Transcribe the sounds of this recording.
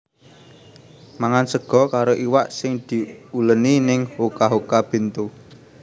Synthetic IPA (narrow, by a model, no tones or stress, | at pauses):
maŋansəɡ̥ɔ̤kaɾoʔiwaʔsɪŋd̪̥i̤uləninɪŋhokaɦokab̥e̤nt̪u